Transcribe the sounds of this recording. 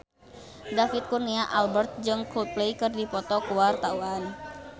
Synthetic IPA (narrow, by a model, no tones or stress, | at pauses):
dafit̪̚kurniaʔalbərt̪̚d͡ʒɨŋklupleikɨrdipɔt̪ɔkuwart̪auan